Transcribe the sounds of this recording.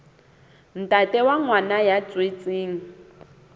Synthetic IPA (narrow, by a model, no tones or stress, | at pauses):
n̩tʼatʼɛwaŋwanajat͡sʼwet͡sʼeːŋ̩